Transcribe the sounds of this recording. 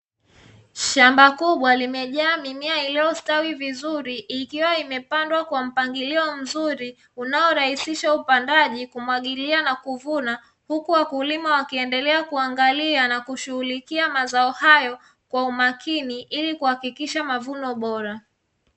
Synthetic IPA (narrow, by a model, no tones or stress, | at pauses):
ʃambakuɓwalimɛʄaːmimiailiɔstawivizuɾiʔːkiwaimɛpandwakwam̩paŋɡiliɔm̩zuɾi | unaɔɾahisiʃaupandaʄikumwaɠilianakuvuna | hukuwakulimawakiɛndɛlɛakuaŋɡalianakuʃuhulikiamazaɔhajɔ | kwaumakʰiniʔilikuhakikiʃamavunɔɓɔɾa